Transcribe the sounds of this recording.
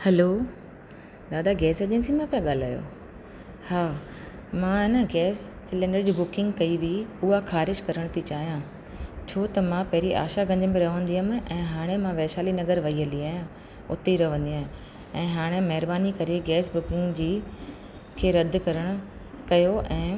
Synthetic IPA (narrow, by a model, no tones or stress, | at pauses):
hɛloː | d̪aːd̪aɡɛːsɐʄẽnsimãpijãɠaːl̤aːjo̰ː | haː | mãɪnəɡɛːsːɪlɛ̃ːɳɖəɾd͡ʑiːbʊkɪ̃ŋɡkɐiʋiʊɦaxʰaːɾɪʃkɐɾəɽ̃t̪ʰit͡ɕaːɦijã | t͡ɕʰoːt̪ɐmãpɐɦɪɾiʔa̰ːʃaɡɐ̃ɲd͡ʑəbeɾɐɦʋə̃nd̪iɦəm̆ʔɛ̃ːɦaːɽ̃emãʋɛːʃaːlinɐɡəɾʋɐɦiəliaːjã | ʊt̪iɾɐʋə̃nd̪ijãːɦɪ | ɛ̃ːɦaːɽ̃emɐɦɪɾbaːnikɐɾeɡɛːsbʊkɪ̃ŋɡd͡ʑiː | kʰeːɾɐd̪ʱkɐɾəɽ̃ʊ̆ | kɐjoʔɛ̃ː